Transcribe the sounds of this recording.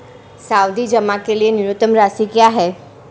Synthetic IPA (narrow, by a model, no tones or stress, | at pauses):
saːwd̪id͡ʒəmãkelienɪɾʊt̪ːəmɾaːsikjaːɦɛː